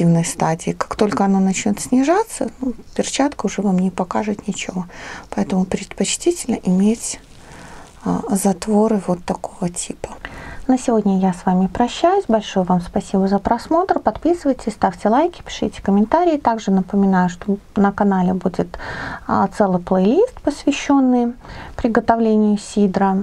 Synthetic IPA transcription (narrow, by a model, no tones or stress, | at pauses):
ivnəjst̪adʲɪːkḁkt̪o̞lʲkəɐnanɐt͡ɕnʲo̞t̪sʲnʲɪʐat̪sːənupʲɪrt͡ɕat̪kəʊʐɛvamnʲɪpɐkaʐɨt̪nʲɪt͡ɕɪvopɐɛt̪əmʊpɾʲɪt̪pɐt͡ɕtʲitʲɪlʲnəʔɪmʲet͡sʲ | zɐt̪vo̞ɾɨvot̪ːɐkovətʲipə̥nəsʲɪvo̞dʲnʲəjasvamʲɪpɾɐɕːæjʊsʲbɐlʲʂojʊvamspɐsʲibəzəpɾɐsmo̞t̪rpɐt̪pʲisɨvəjtʲɪsʲst̪afʲtʲɪlˠajkʲɪ̥pʲɪ̥ʂɨjtʲɪ̥kəmʲɪnt̪aɾʲɪːt̪aɡʐɨnəpəmʲɪnajʊʂt̪onəkɐnalʲɪbudʲɪt̪ | t̪sɛlˠɨjplˠəjlʲist̪pəsvʲɪɕːo̞nːɨjpɾʲɪɡət̪ɐvlʲenʲɪjʊsʲid̪ɾə